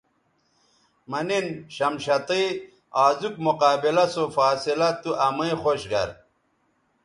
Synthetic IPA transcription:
mɐninɕɐmɕɐt̪i | aːzuk̚moqaːbilɐsofaːsilɐt̪uʔɐmɐixoɕɡɐ̰ɾ

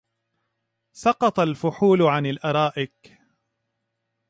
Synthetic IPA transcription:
sɑqɑt̪ˤɑlfʊħuːlʕanalʔɑɾˤɑːʔɪk

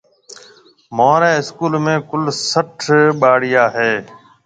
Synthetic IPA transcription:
moːɾeːɪskuːlmẽːkʊlsəʈʰɓaːɽɪjaːɦeː

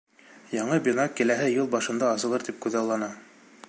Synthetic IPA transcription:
jɑɴɤbʲinɑkːɘ̆læɦɘjɤlˠbɑʃɤ̆nd̪ɑːsɤ̆lˠɤɾt̪ip̚kʉðɑwlˠɑnɑ

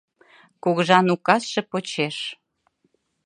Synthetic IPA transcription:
kuɣəʒɑnukɑsʃĕpot͡ɕeʃ

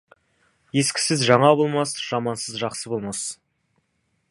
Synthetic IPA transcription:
je̞skʲɪ̥sɪzʒɑɴɑbo̞lˠmɑsʒ̥ɑmɑnsəzʒɑqsəbo̞lˠmɑs

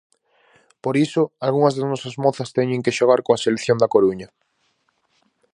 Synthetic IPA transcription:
poɾisʊalɣuŋɐzðaznɔsɐzmoθɐst̪ɛɲẽŋkɪʃoɣ̞aɾkoaseleθjond̪ɐkoɾuɲɐ

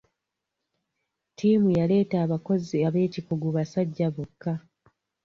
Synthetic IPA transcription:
tʰiːmujale̞ːtaːβako̞ziaβe̞ːcikuɡuβasaɟːaβokːa

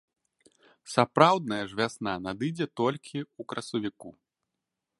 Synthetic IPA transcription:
sapɾawd̪̚nɐjɐʐvʲasnanad̪ɨd͡zʲɛt̪ɔlʲkʲʰiukɾɐsɐvʲiku

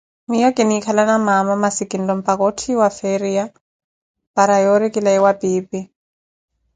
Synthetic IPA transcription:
mijɔkʼɪnɪikʰalanamamamasɪkʼɪn̩lɔm̩pʼakɔʊtʰiwafeɾia | paɾajɔɾɪkʼɪlaɪwapʼiːpʼɪ

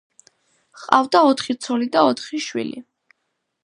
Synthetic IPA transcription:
χqʼa̰vd̪aɔt̪ʰχit̪sʰɔlid̪aɔt̪ʰχiʃwḭlḭ

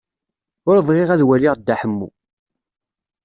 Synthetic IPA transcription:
ʊɾvˤʁeʁæðwæliʁd̪ːaħəmːṵ

